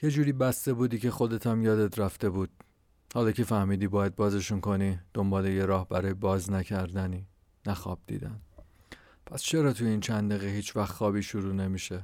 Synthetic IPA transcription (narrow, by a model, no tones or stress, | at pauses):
je̞d͡ʒuːɾiːbæst̪e̞buːd̪iːcʰe̞xo̞d̪e̞t̪ʰæmjɒːd̪et̪ʰɾæft̪e̞buːd̪̥̚ | hɒːlɒːcʰe̞fæhmiːd̪iːbɒːjæd̪̚bɒːze̞ʃunko̞niːd̪̥o̞mbɒːleje̞ɾɒːhbæɾɒːjebɒːznæcʰæɾd̪æniː | næxɒ̰ːb̥̚d̪ḭːd̪æn | pʰæst͡ʃʰe̞ɾɒːt̪ʰujeiːnt͡ʃʰænd̪eɣehiːt͡ʃʰvæxχɒːbiːʃuɾuːne̞miːʃe